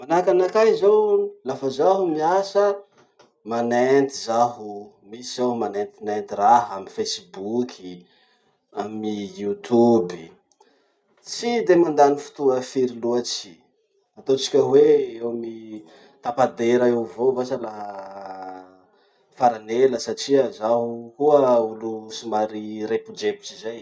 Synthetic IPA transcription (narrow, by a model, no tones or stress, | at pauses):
manakanakajzowlafazaɦumiasə | manent̪izaɦu | misizomanent̪inent̪iraɦaminfesibukʰʲi | amijut̪ʰubi | t͡sid̪emand̪anifu̥t̪uəfiɾiluat͡ʃi̥ | at̪ot͡si̥kʲəweewmi | t̪apad̪eɾaewvovasalaɦa | faɾaneləsaʈ͡ʂiəzaɦukuəulusimaɾiɾepud͡ʒepi̥t͡ʃizaj